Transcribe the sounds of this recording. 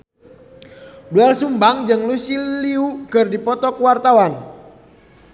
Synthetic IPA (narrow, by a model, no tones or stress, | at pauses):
duɛlsumbaŋd͡ʒɨŋlusiliukərdipɔt̪ɔkəwart̪awan